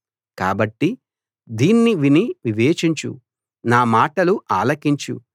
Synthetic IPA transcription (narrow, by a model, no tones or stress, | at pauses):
ka̰ːbɐʈːi | d̪iːnːiʋiniʋiʋeːt͡ʃiɲt͡ʃṵ | naːmaːʈɐluʔaːlɐkiɲt͡ʃṵ